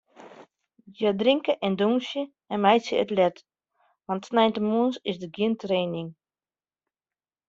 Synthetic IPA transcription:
jədrɪŋkəʔɛnduŋsjə | ɛnmɛjsjəə̰tlɛt | ʋɑntsnɛjntəmuənsɪsdəɡiəntreːnɪŋ

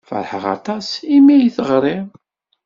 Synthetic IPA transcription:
fə̰ɾˤħəʁɑ̰t̪ˤɑsimijθəʁɾˤɪ

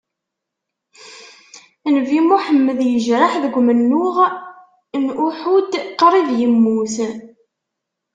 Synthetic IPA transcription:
nvimuħəmːəðjəʒɾaħðəɡʷmənːʊʁ | nuħud̪qɾˤiðjəmːuθ

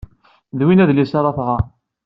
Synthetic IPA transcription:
ðwinæðlisɑɾˤɑθʁɑ

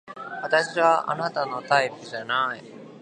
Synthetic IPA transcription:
βat̪aɕiβaʔa̰nat̪anot̪aifɯʑanaj

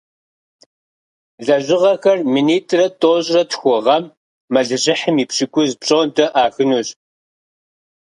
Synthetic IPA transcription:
ɮɐʑɪʁɐxɐrminiːtʰʼrɐtʼoːɕʼrɐtxʷʊʁɐmː | ɐɮɨʑɪħəmiːpɕɪkʷʊzpɕʼoːntʰɐʔaːxɨnuːɕʼ

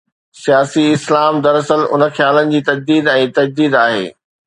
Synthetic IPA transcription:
sijaːsiɪslaːmd̪ɐɾɐsəlʊ̰nə̆xjaːlənɪ̆d͡ʑiːt̪ɐd͡ʑd̪iːd̪ɛ̃ːt̪ɐd͡ʑd̪iːd̪aːɦḛː

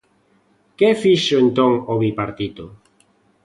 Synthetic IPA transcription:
kefiʃʊent̪oŋoβipaɾt̪it̪o

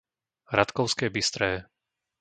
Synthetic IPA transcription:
ɾat̪kɔʊskɛːbist̪ɾɛː

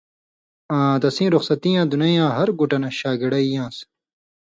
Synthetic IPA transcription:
ãːd̪ɐsĩːɾuxsɐt̪ĩjãːd̪unɐjãːɦɐɾɡuʈɐnɕaːɡiɽɐijãːs

